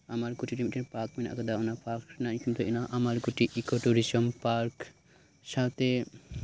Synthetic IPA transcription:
amaɾkuʈʰiʈimiʈeɾpaɾkmina̰kad̪aunapaɾknajkimt̪uinaʔamaɾkuʈʰiʔikɔʈuɾisɔmpaɾk | ʃat̪e

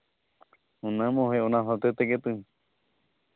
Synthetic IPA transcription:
õnãmõheõnãɦot̪et̪eket̪ɨ

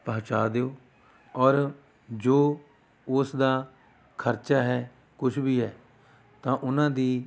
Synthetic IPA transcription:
pəɦt͡ʃaːd̪eːoː | ɔːɾ | d͡ʒoː | ʊsd̪aː | kʰəɾt͡ʃaːɦɛː | kʊt͡ʃʰbiːɦɛː | t̪ãːʔʊnãːd̪iː

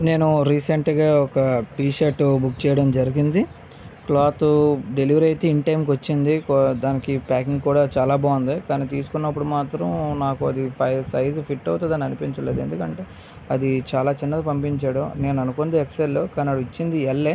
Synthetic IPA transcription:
ne̞ːnuɾiːseɳʈɡaːɔkɐʈiːʃɐɾʈubukːt͡ʃɛːjɐɽɐmd͡ʒɐɾiɡind̪i | klaːt̪uɖe̞liʋɐɾɐjt̪eːiɳʈɐjmk̬ʋɐt͡ʃːind̪ikd̪aːnikipaːkiŋɡkuːɽaːt͡ʃaːlaːbaːund̪ekaːniːt̪iːsu̥kunːɐpːuɽumaːt̪ɾɐmnaːkuɐd̪ipʰɐjlsɐjzpʰiʈːɐwut̪eːd̪aːniɐnupiɲt͡ʃɐlend̪e̞̰nd̪ukɐɳʈe̞ː | ɐd̪it͡ʃaːlaːt͡ʃinːɐɐpɐmpiɲt͡ʃaːɽune̞ːnuɐnukond̪eekselːokaːniɐɽuit͡ʃːind̪ielːeː

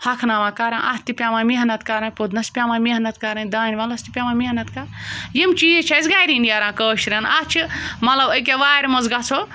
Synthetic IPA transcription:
hɐkʰnaːʋãːkaɾɐʔast̪ipʲjamãːmeɦnɐt̪kaɾɐ̃nʲpod̪nɐspʲamãmeɦnɐt̪kaɾɐnd̪aːnʲiʋɐlɐst̪ipʲamãːmʲeɦnɐt̪kaɾjimt͡ʃiːt͡ʃʰɐsɡaːjɾinijaɾãːkəːʃɾɐnat͡ʃʰɨmɐlɐbəjk̬ʲeʋaːɾʲmɐzɡat͡sʰo

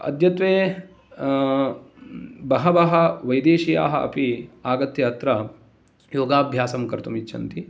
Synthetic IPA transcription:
ɐ̰d̪jɐt̪ʋeː | bɐɦɐʋɐɦɐʋɐjd̪eːʃija̰ːɦɐɐ̰piaːɡɐt̪jɐɐt̪ɾɐ | joːɡaːbʱjaːsɐmkɐɾt̪umitːʃʰɐ̰nt̪i

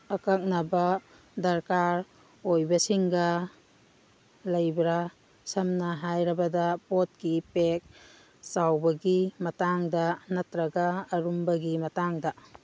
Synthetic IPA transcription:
ɐkak̚nɐbɐ | dɐɾkaɾ | ojbɐsiŋɡɐ | lɐjbɾa | sɐmnɐɦajɾɐbɐdapot̚kipek̚ | sawbɐɡimɐtaŋdɐnɐtɾɐɡaːɾumbɐɡimɐtaŋdɐ

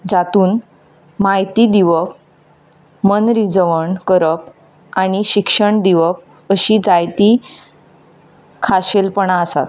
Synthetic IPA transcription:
d͡ʑat̪uːn | maɦjt̪iːd̪iʋəp | mənɾid͡zəʋəɳkəɾəp | añiɕikʂəɳd̪iʋəp̚ | əɕiːd͡zajt̪iː | kʰaɕelpəɳaəsa̰t̪

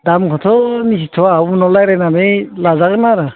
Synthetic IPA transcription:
damkʰɔtʰɔnisitʰɔwabunɔlajɾajnanelazaɡɯnaɾa

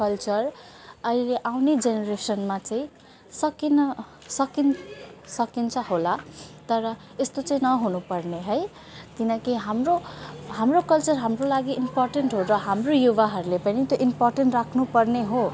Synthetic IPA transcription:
kʌlt͡sʌr | ʌileʔawned͡zenʌɾesʌnmat͡sãĩ | sʌkinʌ | sʌkinsʌkint͡sʰʌholat̪ʌɾʌ | est̪ot͡sʌĩnʌɦunupʌrneɦʌj | t̪inʌkiɦamroɦamrokʌlt͡sʌrɦamrolaɡiʔimporʈenʈɦoɾʌɦamrojubaɦʌɾulepʌnit̪joʔimporʈeɳʈrakʰnupʌrneɦo

